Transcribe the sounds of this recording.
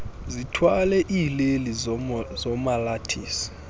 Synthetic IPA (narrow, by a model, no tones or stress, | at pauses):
zitʰwalɛʔilelizɔmalatʰiːsi̥